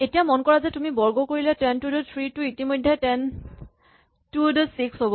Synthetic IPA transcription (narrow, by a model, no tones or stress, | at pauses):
etijamɔnkɔɹazɛtumibɔɹɡɔkoɹilɛtɛntudɔt̪ʰɹitʊitimojdʱːɛtɛn | tudɔsiksɦobɔ